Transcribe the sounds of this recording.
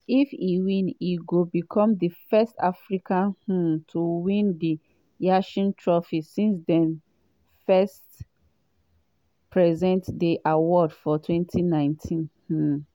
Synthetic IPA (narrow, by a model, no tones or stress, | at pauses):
ifiwĩniɡobikʰɔ̃mdifɛstafɹikãnhũtʰuwĩndi | jaʃĩntʰɹɔfisĩnsdɛ̃n | fɛst | pɹɛzɛ̃ntdiʔawɔdfɔtʰwɛ̃ntʰinãɪ̃ntʰĩnh̩